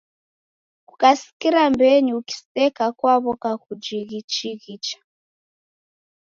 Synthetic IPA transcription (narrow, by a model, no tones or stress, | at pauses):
kukasi̥kiɾambɛɲiuki̥stɛkakwaβɔkakud͡ʒiɣit͡ʃiɣit͡ʃḁ